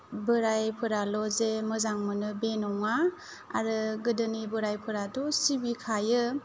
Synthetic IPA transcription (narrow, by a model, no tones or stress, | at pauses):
bɯɾajpʰɯɾalɔzemɯzaŋmɯnɯbenɔŋa | a̰ɾɯɡɯdɯnibɯɾajpʰɯɾatusibikʰajɯ